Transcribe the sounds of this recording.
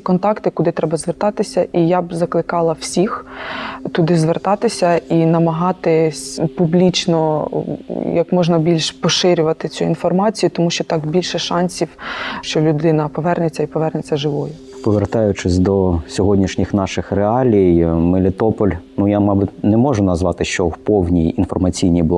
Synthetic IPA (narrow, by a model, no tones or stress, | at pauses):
kɔnt̪ɑkt̪ɪkʊd̪ɪt̪ɾɛbɐzʋert̪ɑt̪ɪsʲɐʔijabzɐklˠɪkɑlˠɐwsʲix | t̪ʊd̪ɪzʋert̪ɑt̪ɪsʲɐinɐmɐɦɑt̪ɪsʲpublʲit͡ʃnɔ | jɐkmɔʒnɐbʲilʲʃpɔʃɪɾʲʊʋɐt̪ɪt͡sʲuinfɔrmɑt͡sʲijʊt̪ɔmuʃt͡ʃɔt̪ɑkbʲilʲʃɛʃɑnʲsʲiwʃt͡ʃɔlʲʊd̪ɪnɐpɔʋɛrnet͡sʲɐipɔʋɛrnet͡sʲːɐʒɪʋɔjʊ | pɔʋert̪ɑjʊt͡ʃɪsʲd̪ɔsʲɔɦɔdʲnʲiʃnʲixnɑʃɪxreɑlʲijmɪlʲɪt̪ɔpɔlʲnujamɑbʊtʲnɛmɔʒʊnɐzʋɑt̪ɪʃt͡ʃɔwpɔwnʲijinfɔrmɐt͡sʲijnʲijbˠ